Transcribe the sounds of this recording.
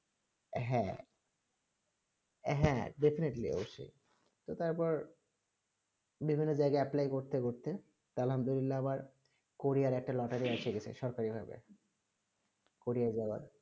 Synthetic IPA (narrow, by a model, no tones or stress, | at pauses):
ɦɛ̃ | ɦɛ̃ɖefineʈliɔ̰boʃːo̰i | t̪ot̪aɾpɔɾ | bibʱinːod͡ʑajɡaeaplajkoɾt̪ekoɾt̪e | t̪oalɦamd̪ulilːaamaɾ | koɾiaɾɛk̚ʈalɔʈaɾiat͡ɕʰeket͡ɕʰḛʃɔɾkaɾibʱa̰bḛ | koɾiad͡ʑaoa̰ɾ